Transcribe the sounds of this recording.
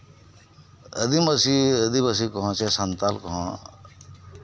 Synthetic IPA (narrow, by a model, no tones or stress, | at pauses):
ə̰d̪imɐsiəd̪ibɐsikɔɦɔ̃t͡ʃesɐnt̪alkɔɦɔ̃